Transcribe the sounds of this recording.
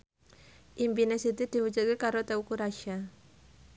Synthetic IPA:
ʔimbinɛsit̪idiwut͡ʃuɡikaɾot̪ɛukuɾaʃa

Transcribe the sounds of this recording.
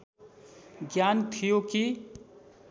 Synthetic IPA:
ɡjant̪ʰijoki

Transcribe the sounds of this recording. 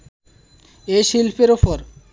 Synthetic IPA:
eʃilpʰeɾopoɾ

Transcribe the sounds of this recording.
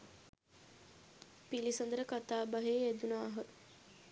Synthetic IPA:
pilisənd̪əɾəkat̪aːbaɦeːed̪unaːɦə

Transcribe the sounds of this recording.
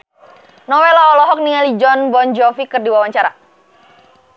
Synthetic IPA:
nɔwɛlɔɔlɔɦɔk̚niŋalid͡ʒɔnbɔnd͡ʒɔfikɨrdiwawaɲt͡ʃaɾa

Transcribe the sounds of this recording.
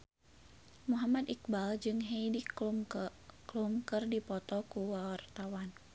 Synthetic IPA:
muɦamad̪ik̚bald͡ʒɨŋɦejdi | klumkɨrdipɔt̪ɔkuwawart̪awan

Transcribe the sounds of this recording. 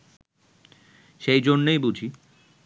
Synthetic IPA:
ʃejd͡ʑonːejbud͡ʑʱi

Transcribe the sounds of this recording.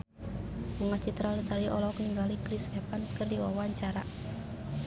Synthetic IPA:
uŋat͡ʃit̪ɾalsaɾiʔɔlɔkniŋɡalikɾisɛpanskərdiwa̰waɲt͡ʃaɾa

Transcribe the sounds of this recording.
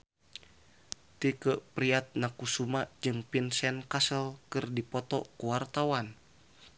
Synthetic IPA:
t̪ikəʔpɾiat̪̚nakusumaʔd͡ʒɨŋpinsɛnkasəlkɨrdipɔt̪ɔ̰kuwart̪awan

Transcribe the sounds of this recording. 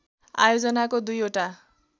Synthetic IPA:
a̰jod͡zʌnakod̪ujoʈa

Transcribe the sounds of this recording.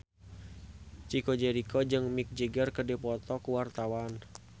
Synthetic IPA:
t͡ʃikɔd͡ʒɛɾikɔd͡ʒɨŋmik̚d͡ʒəɡərkədɛpɔt̪ɔkuwart̪awan

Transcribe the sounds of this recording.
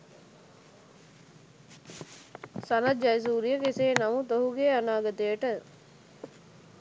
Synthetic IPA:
sanad͡ʒajs̬uːɾijəkeseːnamut̪oɦuɡeːanaːɡət̪əjəʈə

